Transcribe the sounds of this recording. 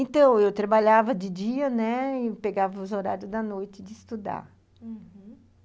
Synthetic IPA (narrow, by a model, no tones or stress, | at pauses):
ẽt̪ɐ̃w̃ewt̪ɾabaʎavɐd͡ʒɪd͡ʒiɐnɛɪpeɡavɐʊzoɾaɾjʊzd̪ɐnojt͡ʃ̪ɪd͡ʒ̪ɪɪst̪ud̪a̰ɾ